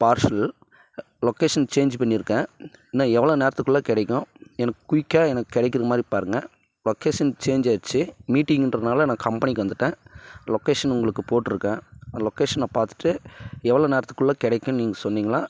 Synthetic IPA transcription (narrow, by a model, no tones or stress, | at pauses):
paːɾʂɐl | lɔkeːʂɐnt͡ʃeːɲd͡ʒpɐɳːɪɾɯkːẽːnãːɛʋːɐɭoːneːɾɐt̪ːɯkːɯɭlːãːkɪɽɛkːʊ̃ɛnɐkːkʊɪkːaːɛnɐkːɯkːɪɽɛkːɪɾɐmaːd̪ɾipaːɾɯŋɡɐ | lɔkeːʂɐnt͡ʃeːɲd͡ʒaːt͡ʃːɯmiːʈːɪ̃ŋɡɪndrɐðnaːlɐnãːkɐmpɐnɪkːɯʋɐnd̪ɯʈːẽːlɔkeːʂɐnʊŋɡɐɭɯkːɯpoːʈːɯɾɯkːẽːlɔkeːʂɐnːãːpaːɾt̪ɯ̥ʈːɯɛʋːɐɭoːneːɾɐt̪ːɯ̥kːɯɭːãːkɪɽɛkʲːʊ̃niːŋɡɐsɔnːiːŋɡɐɭaː